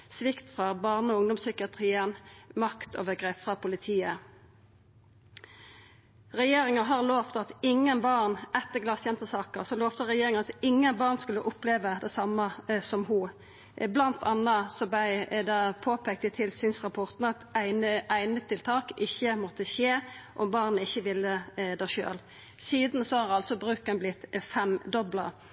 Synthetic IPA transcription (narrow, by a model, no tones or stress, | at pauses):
sʋɪkt̪fʁɑbɑːʁnəɔʊŋd̪ɔmsʏkɪɑt̪ʁiːənmɑkt̪ʰo̰ːʋəɡʁeːpfʁɑpʰʊlɪt̪ʰiːə | ʁɛjeːʁɪŋɑɦɑʁloːʋt̪ɑt̪ɪŋːənbɑʁnɛt̪ːəɡlɑsjɛnt̪əsɑːkəʁsɔloːʋt̪əʁɛjeːʁɪŋɑt̪ɪŋːənbɑːʁnskʉlːəʔʊpleːʋəd̪ɛsɑməsɔmhu | blɑnt̪ʰɑnəsɔbæɪd̪ɑpʰoːpʰek̚t̪ət̪ʰɪlsyːnsʁɑpʰɔʁt̪n̩ɑt̪æɪnəʔæɪnət̪ʰɪlt̪ʰɑːkɪçːəmɔt̪ːəçeːʔɔmbɑʁnəɪçːəʋɪlːəd̪æʃø̰ːl | siːd̪n̩sɔhɑʁɑlsɔbʁʉːkənblɪt̪ːfɛmd̪ɔblɑ